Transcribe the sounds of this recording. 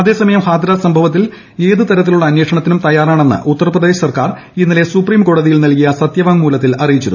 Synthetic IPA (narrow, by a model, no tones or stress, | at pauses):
ɐðe̞ːsɐmɐjɐmhaːd̪ɐɾaːsɐmbʱɐʋɐt̪ːil | e̞ːðɨt̪ɐɾɐt̪ːiluɭːɐːnweːʂɐɳɐt̪ːinumt̪ɐjaːraːɳe̞nːɨ̰ʔut̪ːɐrɐprɐðeːɕɐsɐrkaːr | inːɐle̞supriːmko̞ːɽɐðijilnɐlkijɐsɐt̪jɐʋaːŋmuːlɐt̪ːilɐrijit͡ɕːuɾu